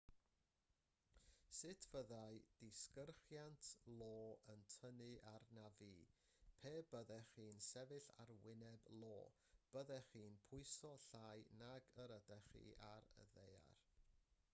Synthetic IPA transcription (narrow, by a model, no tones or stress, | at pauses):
sɨtʰv̥əðaɨd̥ɪskərχjantʰlˠoːəntʰənɨʔarnaviː | pʰeːbəðɛχiːnsɛvɨɬa̰rwɪnɛblˠo̰ː | b̥əðɛχiːnpʰʊɨsɔɬajnaɡəɾədɛχḭarə̰ðeja̰r